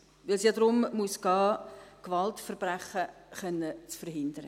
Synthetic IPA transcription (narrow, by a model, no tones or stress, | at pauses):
vɪlsjadɾʊmmuːsɡ̥ɑːkvɑltfəɾb̥ræχəχœnːət͡sfəɾɦɪndəɾə